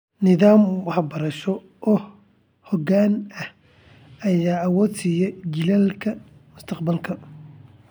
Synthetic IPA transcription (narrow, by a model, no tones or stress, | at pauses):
nɪðaːmwɑħbɐɾɐʃɔ | ʔɔː | hɔɣaːnɐh | ɐjaːɐwɔːd̪sijɛt͡ʃɪlɛːlkʰɐmʊst̪ʰɐqbɐlkʰɐ